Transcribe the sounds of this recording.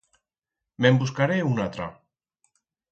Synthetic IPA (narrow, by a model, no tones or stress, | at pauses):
membuskaɾeunat̪ɾa